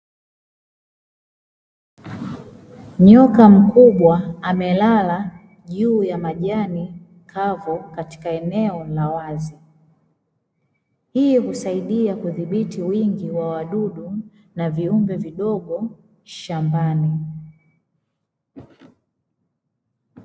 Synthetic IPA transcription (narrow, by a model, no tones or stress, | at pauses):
ɲɔkam̩kuɓwaːmɛlala | ʄuːjamaʄani | kʰavɔkati̥kaɛnɛɔlawazi | hiːhusaiɗiakuðiɓitiwiŋɡiwawaɗuɗu | naviumbɛviɗɔɠɔ | ʃambani